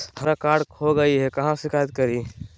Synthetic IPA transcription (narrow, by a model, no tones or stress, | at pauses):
həɾakaːɽkʰoɡɐiɦɛkɐɦãsɪkʰaːjt̪̚kɐɾiː